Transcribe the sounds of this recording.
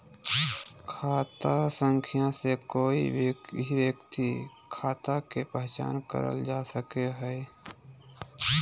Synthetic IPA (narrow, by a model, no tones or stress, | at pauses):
kʰaːt̪asə̃ŋkʰɪjãsekoːiiʋekt̪i | kʰaːt̪akepɛɦt͡ʃa̰ːnkə̰ɾə̰ld͡ʒaːsəkeɦɛː